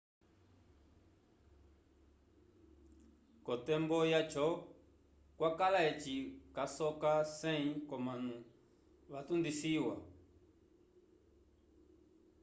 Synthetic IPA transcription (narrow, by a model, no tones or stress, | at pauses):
kɔtɛmbɔjat͡ʃɔ | kwakalaɛt͡ʃikasɔkasɛikɔmanu | ʋatundisiwa